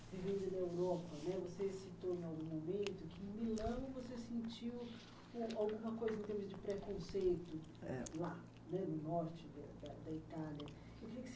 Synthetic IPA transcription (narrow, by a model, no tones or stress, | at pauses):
sevẽjd̪ʊd̪ɐewɾɔpɐnɛvosesit̪oẽawɡũmomẽnt̪ʊkɪ̃milɐ̃w̃vosesẽnt͡ʃiw | ɛawɡũmɐkojzɐẽnt̪eɾmʊzd͡ʒɪpɾekõsejt̪ʊ | ɛ̰la | nɛd̪ʊnɔɾt͡ʃɪd̪ɐd̪ɐd̪ɐit̪aljɐ | ewkɾĩkɪs